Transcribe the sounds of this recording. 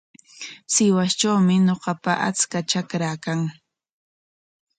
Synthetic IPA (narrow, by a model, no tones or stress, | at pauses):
sɪwast͡ʃawmɪɲoqɑpaʔa̰t͡skat͡ʃakɾakaŋ